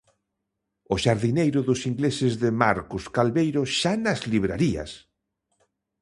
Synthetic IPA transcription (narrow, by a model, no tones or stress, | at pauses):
ʊʃaɾðinejɾʊðʊsiŋɡlesɪzðɪmaɾkʊskalβejɾʊʃanazliβ̞ɾaɾia̰s